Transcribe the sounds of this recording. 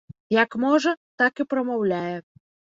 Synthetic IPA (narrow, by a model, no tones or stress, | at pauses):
jɐkmɔʐɐt̪akipɾɐmawlʲajɛ